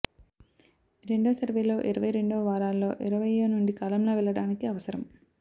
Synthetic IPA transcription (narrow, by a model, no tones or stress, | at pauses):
ɾe̞ɳɖoːsɐɾʋeːlo̞ːʔiɾɐʋɐjɾe̞ɳɖoːʋaːɾaːlːo̞ːʔiɾɐʋɐjeːnuɳɖikaːlɐmlo̞ːʋɛlːɐɽaːnikiɐʋɐsɐɾɐm